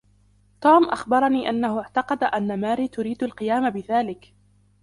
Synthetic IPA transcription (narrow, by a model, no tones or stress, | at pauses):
t̪uːmʔaxbɑɾˤɑniːʔanːahʊʕt̪ɑqɑd̪aʔanːamaːɾiːt̪ʊɾiːd̪alqɨjaːmabɪðaːlɪk